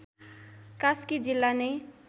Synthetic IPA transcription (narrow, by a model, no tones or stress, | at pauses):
kaskid͡zilːane